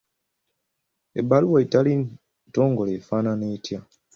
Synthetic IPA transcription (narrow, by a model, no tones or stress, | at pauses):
ebaluwaitali | to̞ːŋɡo̞leːfaːnaneːtja